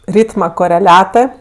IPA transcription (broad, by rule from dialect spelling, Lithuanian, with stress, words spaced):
ˈrʲiːtmɐ koːrʲɛˈlʲæːtɜ